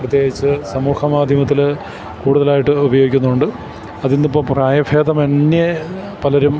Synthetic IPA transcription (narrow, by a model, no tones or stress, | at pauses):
prɐt̪jeːɡit͡ɕːɨsɐmuːxɐmaːd̪ʱjɐmɐt̪̬ːil | kuːɽuðɐlaːjiʈːɨubɐjo̞ːɡikʲːunːuuɳɖɨ | ɐðinːipːopraːjɐfʰeːd̪ɐmenːje | pɐlɐɾum